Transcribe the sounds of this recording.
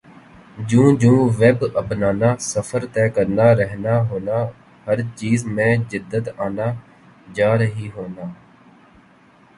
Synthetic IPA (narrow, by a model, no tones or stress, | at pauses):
d͡ʒũːd͡ʒũːʋeːbəpnaːnaːsəfʰəɾt̪ɛːkəɾnaːɾəɦnaːɦoːnaː | həɾt͡ʃiːzmẽːd͡ʒɪd̪ːət̪aːnaː | d͡ʒaːɾəɦiːɦoːnaː